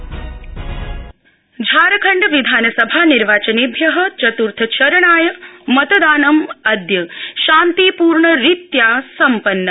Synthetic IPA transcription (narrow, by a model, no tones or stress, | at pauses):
d͡ʒʱaːɾɐkʰɐɳɖʋid̪ʱaːnɐsɐbʱaːniɾʋaːt͡ʃɐnibʱjɐɦɐ̆t͡ʃɐt̪uɾt̪ʰɐt͡ʃɐɾɐɳaːjɐmɐt̪əd̪aːnɐmɐd̪jɐʃaːnt̪ipuːɾɳɐɾit̪jaːsɐmpɐnːə